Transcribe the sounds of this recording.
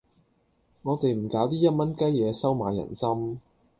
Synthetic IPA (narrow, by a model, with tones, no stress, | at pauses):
ŋɔː˨˧t̪e˨jm̩˨˩kaː˨˥wt̪̬iː˥jɐ˥t̚mɐ˥nkɐ˥jjɛː˨˧sɐ˥wmaː˨˧jːɐ̰˨˩nsɐ˥m